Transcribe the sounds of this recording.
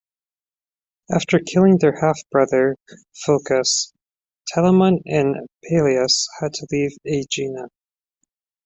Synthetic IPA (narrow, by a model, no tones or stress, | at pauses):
æftə˞kʰɪlˠɪ̃ŋðə˞hæfb̥ɹʌðə˞ | foʊkɨs | tʰɛlˠəmə̃nɨ̃npʰeɪlˠiɨshɨd̚tʰəlived͡ʒĩnə